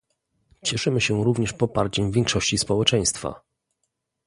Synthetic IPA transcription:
t͡ɕɛʂɘmɘɕɛɾuvɲɛʂpɔpaɾt͡ɕɛmvʲjɛŋkʂɔɕt͡ɕispɔwɛt͡ʂɛj̃st̪fa̰

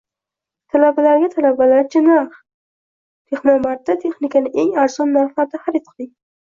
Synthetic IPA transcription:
t̪ʰalabalaɾɡʲat̪ʰalabalaɾd͡ʒʰanah | t̪ʰeχnɒmat̪ːat̪ʰe̞χnɪkanɪʔeŋaɾzɒnːafat̪ːahaɾit̪̚qʰɨlˠɪŋ

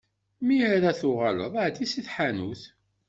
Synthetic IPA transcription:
miæɾæθʊʁalə̰ðˤʕd̪isiθħanuθ

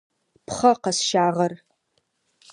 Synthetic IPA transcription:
pʰχɐqɐsʃaːʁɐr

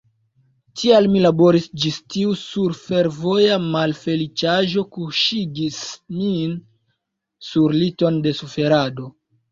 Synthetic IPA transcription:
tʰialmilabo̞ɾisd͡ʒistiusuɾfe̞ɾvo̞jamalfe̞lit͡ʃaʒo̞kuʃiɡismin | suɾlito̞nde̞sufe̞ɾado̞

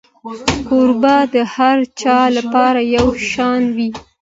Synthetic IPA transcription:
koɾbad̪əhaɾt͡ʃɑlapɑɾajawʃɑnwi

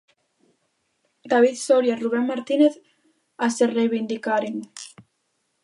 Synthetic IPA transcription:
d̪aβ̞iðsoɾjaruβ̞enmaɾt̪ineθ | aserejβind̪ikaɾeŋ

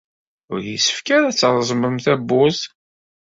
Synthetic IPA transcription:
ʊɾjisə̥fkæɾæt͡sːəɾˤzˤməmθæbːʊz

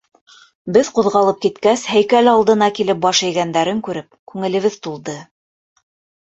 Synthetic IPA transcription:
bɘðquðʁɑlˠɤp̚kit̪kæshæjkælɑlˠd̪ɤ̆nɑkilɘp̚bɑʃæ̆jɡænd̪æɾɘŋkʉɾɘp̚kʉŋɘ̆lɘ̆βɘðt̪ulˠd̪ɤ

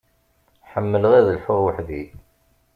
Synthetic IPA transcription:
ħəmːələʁæðəlħʊɾwəħði

